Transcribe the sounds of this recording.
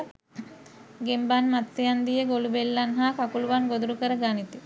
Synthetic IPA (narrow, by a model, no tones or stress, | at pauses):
ɡembanmat̪sejand̪ijeɡolubelːanɦakakuluʋanɡod̪ɾukəɾɐɡanit̪i